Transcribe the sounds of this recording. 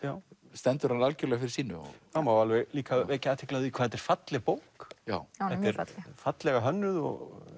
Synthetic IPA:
jaːw | st̪ɛnt̪ʏɾhanalcʏɾlɛɣafɪɾɪ̥ɾsiːnʏ̰ɔ̰amawalvɛɣliːkaeːcɪaːt̪ʰɪ̥klaðʏikʰaːðɛt̪ɛɾ̥fat̪lɛpoːwkja̰ːwɛt̪ɛɾfat̪lɛɣaɦœnːʏðɔ̰ɣ

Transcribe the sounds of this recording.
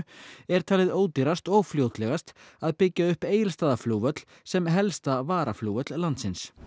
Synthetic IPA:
ɛɾ̥t̪ʰaːlɪðoːwt̪iɾast̪ɔɣfljoːwt̪lɛɣast̪aðpɪcːaʏhpeːjɪlst̪aːðafluːvœt̪l̥ | sɛmɦɛlst̪avaːɾafluwvœt̪llant̪sɪns

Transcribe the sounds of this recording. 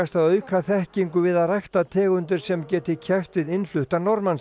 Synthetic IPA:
ast̪aðœːɥkʰaθɛhciŋkʏvɪðaðrajxt̪at̪ʰɛːɣʏnt̪ʏɾ̥sɛmcɛːt̪ɪcʰɛft̪vɪðɪnl̥ʏht̪anɔɾman

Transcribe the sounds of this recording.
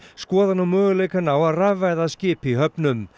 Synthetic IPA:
skɔːðanawmœːɣʏleːjkanaːwaðravːajðascɪːpiɦœpnʏm

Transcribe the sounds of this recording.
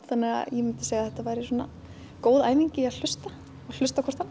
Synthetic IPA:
θanːɪɣa̰jɛmɪnt̪ɪ̥seːjaθɛt̪ːavajɾɪsuɔnːa̰ | koːwðajmiɲcɪaðl̥ʏst̪a | al̥ʏst̪akʰɔr̥t̪han

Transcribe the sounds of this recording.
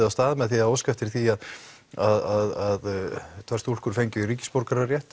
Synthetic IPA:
ast̪aːðmɛðθiaoːwskaft̪ɪɾ̥θiað | aðaðaðt̪ʰvɛr̥st̪ul̥kʏɾ̥fejɲcʏɾiːcɪ̥spowɾkaɾarjɛht̪

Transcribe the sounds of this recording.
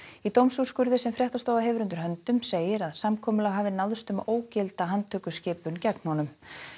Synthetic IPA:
it̪owmsu̥skʏɾðɪsɛmfɾjɛht̪ast̪oːwvaɦɛːvɾʏnt̪ʏɾ̥ɦœnt̪ʏmseːjɪɾaðsamkʰɔːmʏlaɣɦaːvɪnaðst̪ʏmoːwcɛlt̪aɦanːt̪ʰœːkʏscɪːpʏncɛknhɔnʏm

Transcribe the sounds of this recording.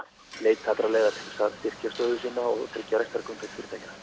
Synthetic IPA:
leːjt̪ʰːaːt̪ɾalɛːjɣat̪ʰɪlsast̪ɪr̥c̪ast̪œːðʏsiːnaɔt̪ʰɛlcaɾajst̪vɛɾkʏmfɪɾ̥fɪɾɪt̪ʰajçɪnḁ

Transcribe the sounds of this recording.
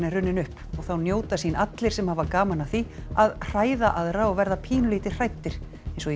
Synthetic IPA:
nɪrʏnːɪnʏhpɔɣθawnjoːwt̪asiːnat̪lɪɾ̥sɛmhavakaːmanaθiaðr̥aːjðaʔaðɾaɔɣvɛɾðapʰiːnʏliːt̪ɪ̥r̥ajt̪ːɪɾ̥ | ejnsɔ

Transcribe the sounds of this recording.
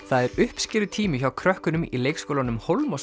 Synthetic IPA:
θaðɛɾʏhpscɪːɾðʏt̪ʰiːmʏçawkʰɾœhkʏnʏmḭlejkskowlanʏmhowlmɔs

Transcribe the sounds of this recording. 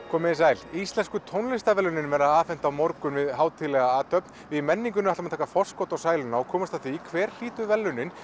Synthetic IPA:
kʰɔːmɪsaːjlist̪lɛnskʏt̪ʰownlɪst̪avɛlːʏnɪnvɛɾaðaːfɛn̥t̪awmɔɾkʏnvɪðɦaːwt̪ʰɪlɛɣaaːt̪ʰœpnvɪmɛnːiŋk̬ʏnʏaht̪amat̪ʰaːkafɔr̥skowt̪awsaːjlʏnaɔkʰɔːmast̪aθiːkʰvɛːɾ̥l̥iːt̪ʏvɛlːʏnɪn

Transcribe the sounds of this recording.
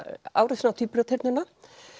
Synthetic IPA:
a̰ːwɾɛsnat̪ʰiːpɾʏt̪ʰɛɾt̪nʏnːa

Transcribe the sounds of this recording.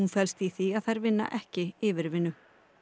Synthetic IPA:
unfɛlst̪iθiaðθajɾvɪnːa̰ʔɛhcɪɪːvɪɾvɪnːʏ

